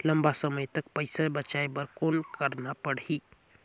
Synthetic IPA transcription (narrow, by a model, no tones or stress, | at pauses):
ləmbasəməjt̪ək̚pəɪsabət͡ʃaebəɾkoːnkəɾnapəɽi